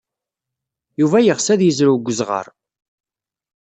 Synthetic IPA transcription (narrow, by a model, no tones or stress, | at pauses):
juvæjəʁsæðjəzɾuɡʷːəzʁə̰ɾˤ